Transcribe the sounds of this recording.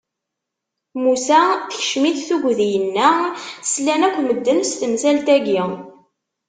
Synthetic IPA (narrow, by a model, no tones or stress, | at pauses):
musæθəçʃmiθθuɡʷðijənːæslːænækʷːməd̪ːənst̪əmzælt̪æɡi